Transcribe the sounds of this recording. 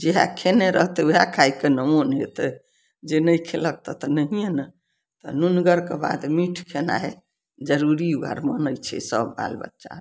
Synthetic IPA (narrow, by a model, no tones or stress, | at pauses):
d͡ʒeɦa̰kʰeneɾəɦt̪euɦakʰajkenəmonɦet̪e | d͡ʒenəjkʰelək̚t̪ət̪ɔnəɦijenə | t̪ɔ̰nunɡəɾkeba̰d̪miʈʰkʰena̰e | d͡ʒəɾuɾiuɡa̰ɾmənəjt͡ʃʰɛ̰səbːa̰lbə̰tːʃa̰